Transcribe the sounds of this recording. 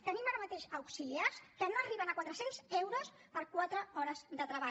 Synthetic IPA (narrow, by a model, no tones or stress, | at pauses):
t̪ənimaɾəmət̪eʃəwksiliaskənoəriβənəkwat̪ɾəsenzɛwɾos | pəɾkwat̪ɾəɔɾəzd̪ət̪ɾəβa